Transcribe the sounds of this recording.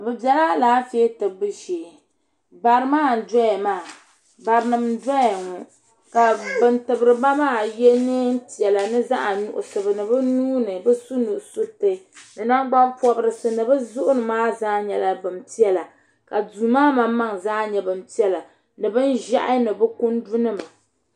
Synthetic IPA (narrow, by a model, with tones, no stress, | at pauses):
bɨ˨bjɛ˨la˦laː˦fe˦tɨ˨bɨ˦ʃeː˨ | ba˨ɾɨ˦maː˦˨n̩˨dɔ˦jɛ˨maː˦˨ | ba˨ɾɨ˨nɨ˨mdɔ˦˨ŋɔ˨ | ka˨bɨ˨ntɨ˨bɨ˨ɾɨ˨ma˦maː˦˨jɛ˦nɨ˦n̩˦ti˨ɛ˨la˨nɨ˦za˦ʔa˨nʊ̰˨ʔʊ̰˨sɨ˨bɨ˨nɨ˨bɨ˦nuː˦nɨ˨bɨ˦su˦nu˨ʔso˦tɨ˨nɨ˨na˦ŋ˦ɡ͡ba˦pɔ˦bɨ˦ɾɨ˦˨sɨ˦nɨ˨bɨ˦zʊ˦ʔʊ˦nɨ˨maː˦zaː˦ɲɛ˨la˨bɨ˨mti˦ɛ˦la˨ | ka˨duː˨maː˦ma˦ma˦ŋzaː˦ɲɛ˨bɨ˨m˨ti˦ɛ˦la˨ | nɨ˨bɨ˦nʒa̰˦ʔɨ˦nɨ˨bɨ˦ku˦n˦du˦nɨ˦ma˨